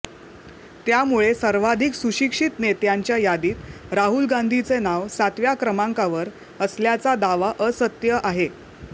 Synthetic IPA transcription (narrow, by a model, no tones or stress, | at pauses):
t̪jamuɭesəɾʋad̪ʱiksuɕikʂit̪net̪jaɲt͡ɕjajad̪iːt̪ɾaɦulɡand̪ʱit͡senaʋsat̪ʋjakɾəmaŋkaʋəɾ | əsljat͡sad̪aʋaʔəsət̪jəʔaɦe